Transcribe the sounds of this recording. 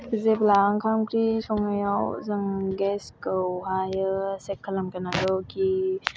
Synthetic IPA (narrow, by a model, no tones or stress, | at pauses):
bizeplaŋkʰamkʰɾisɔŋajawzɯŋɡeskɯwɦajɯsekʰːɐlɐmkɐnadɔki